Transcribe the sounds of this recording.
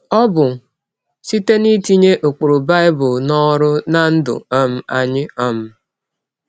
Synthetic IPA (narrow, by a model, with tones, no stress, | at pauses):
ɔ˦bʊ˨ | si˦te˦ni˦ti˦ɲe˦ʔo˨k͡po˨ɾo˨ba˦ɪ˦bʊ˨nɔ˦ɾʊ˦na˦n̩˦dʊ̰˨ɔ˦m̩˦a˨ɲɪ˦ɔ˦m̩˦